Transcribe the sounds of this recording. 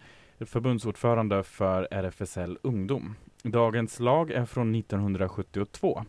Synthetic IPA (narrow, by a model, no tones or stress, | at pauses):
fœɾbɵnd̪suːɖfœːɾand̪əfœɾæɾɛfɛsɛlːɵŋd̪uːmd̪ɑːɡənslɑːɡæɾfɾonːɪt̪ːɔnɦɵnd̪ɾaɧɵt̪ːɪʊt̪ʰv̥oː